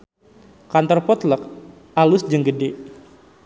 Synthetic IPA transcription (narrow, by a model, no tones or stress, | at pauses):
kant̪ɔrpɔt̪lək̚ | alʊsd͡ʒəŋɡəde